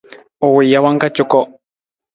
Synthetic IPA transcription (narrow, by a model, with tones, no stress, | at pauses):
o˨wi˨ja˨wa˦ŋka˦t͡ʃʊ˦kɔ˦